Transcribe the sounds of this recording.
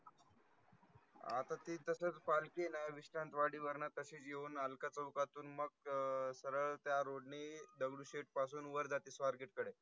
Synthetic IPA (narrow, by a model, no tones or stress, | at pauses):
a̰t̪at̪iːt̪əsət͡spalkenajaʋiɕʈant̪ʋaɽiːʋəɾɳət̪əɕiːt͡sjeuːnalkat͡səwkat̪uːnməɡ̚səɾəɭt̪jaɾoɖned̪əɡɽuɕeʈ̚pas̬uːnʋəɾd͡zat̪iːsʋaɾɡeʈkəɽe